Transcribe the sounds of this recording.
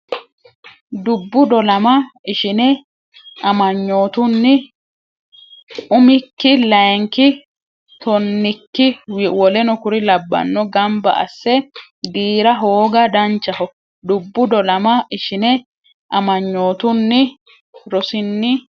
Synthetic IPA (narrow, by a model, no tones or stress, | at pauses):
d̪ʊbːʊd̪ɔlɐmɐɪʃɪnɛ | ʔɐmɐɲːo̞ːt̪ʊnːɪ | ʊmɪkːɪlɐjŋkɪ | t̪ɔnːɪkːɪwwɔlɛnɔkʊɾɪlɐbːɐ̰nːɔɡɐmbɐ̰ʔɐ̰sːɛd̪iːɾɐɦoːɡɐd̪ɐnt͡ʃːɐhɔ | d̪ʊbːʊd̪ɔlɐmɐɪʃɪnɛ | ʔɐmɐɲːo̞ːt̪ʊnːɪ | ɾɔsɪnːɪ